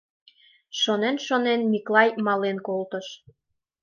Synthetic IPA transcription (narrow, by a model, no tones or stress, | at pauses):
ʃonenʃonenmiklɑjmɑlenkolt̪ə̆ʃ